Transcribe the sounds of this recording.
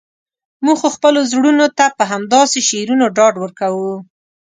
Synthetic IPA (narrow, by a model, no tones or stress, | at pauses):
muɡxoxpəlozɽunot̪apəɦamd̪ɑseʃeɾunoɖɑɖwəɾkawu